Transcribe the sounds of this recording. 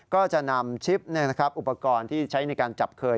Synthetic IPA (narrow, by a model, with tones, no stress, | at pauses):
kɔː˥˩t͡ɕa˨˩ʔna˧mt͡ɕʰi˦˥p̚ni˥˩ɐna˦˥kʰɾa˦˥p̚ʔu˨˩pːa˧kɔː˧nt̪ʰiː˥˩t͡ɕʰa˦˥jna˧jkaː˧nt͡ɕa˨˩p̚kʰɤː˧